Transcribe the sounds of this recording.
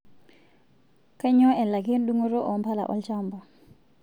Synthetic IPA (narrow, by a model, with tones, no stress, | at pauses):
ka˦ɲɔ˦ɛ˨la˨ki˦nɗu˦ŋo˦ɾo˦ʔɔ˨mpa˦la̰˨ʔɔ̰˨lt͡ʃambɔ˨